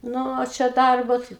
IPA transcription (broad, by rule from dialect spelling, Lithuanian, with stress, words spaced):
ˈnʊ oː ˈt͡ʃʲɛ ˈdɐrboː tɐɪ